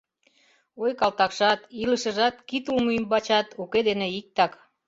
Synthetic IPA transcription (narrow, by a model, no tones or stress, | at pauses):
ojkɑlt̪ɑkʃɑt̪iləʃə̆ʒɑt̪kit̪ulmymbɑt͡ɕɑt̪uked̪eneik̚t̪ɑk